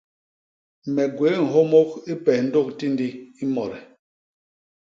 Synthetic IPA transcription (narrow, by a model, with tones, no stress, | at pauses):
mɛ˨ɡwe˨˦ŋ̩˨ɦo˦mo˦ki˦pɛ˨n̩˦do˦˨k̚ti˦n˦di˦i˦mɔ˨ɾɛ˨